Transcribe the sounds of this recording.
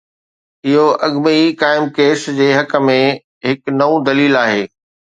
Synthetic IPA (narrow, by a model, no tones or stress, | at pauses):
ɪɦoʔɐɠmikaːɪmkeːsd͡ʑeːɦɐkə̆mẽ | ɦɪknɐũd̪ɐliːlaːɦeː